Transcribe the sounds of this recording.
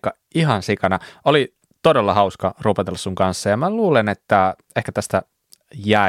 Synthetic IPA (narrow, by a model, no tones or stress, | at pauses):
kːɑ | iɦɑnsikɑnɑoli | t̪odelːɑhɑuskɑruːpɑt̪elːɑssuŋkɑnsːɑjɑmæluːlenet̪ːæ | ehkæt̪æst̪æ | jæˑ